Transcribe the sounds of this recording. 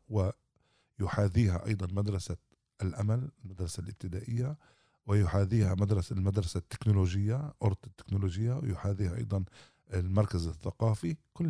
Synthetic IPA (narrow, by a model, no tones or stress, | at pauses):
wɪ | jʊħaːðiːɦaʔɑ̰jd̪ˤɑnmad̪ɾˤɑsa | ʔlʔamalɪlmad̪ɾˤɑsalʔɪb̚t̪ɪd̪aʔɪjːa | wɪjʊħaðiːhamad̪ɾˤɑsalmad̪ɾˤɑsat̪ːɪ̥knʊloʒəjːaʔʊɾt̪ˤt̪ːɪ̥knʊloʒɪjːawjʊħaðiːhaʔɑ̰jd̪ˤɑn | lmɑɾˤkazɪθːaqɑːfikʊlː